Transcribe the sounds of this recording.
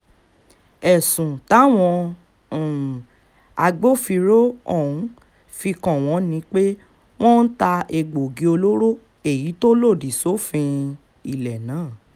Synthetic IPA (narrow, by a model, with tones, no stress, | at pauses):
ɛ˨sũ˨ta˨˦˨w̃ɔ̃˧˨ | a˧ɡ͡bo˦fi˧ɾo˦ɔ˦˨ũ˨˦ | fi˧kɔ̃˨w̃ɔ̃˨˧˦nĩ˧˦k͡pe˦ | w̃ɔ̃˦n̩˦ta˧e˧ɡ͡bo˨ɡi˨˦o˧lo˦ɾo˦ | e˨ji˨˦to˦lo˦˨di˨so˦fĩ˧ | i˦˨lɛ˨nãː˨˦˨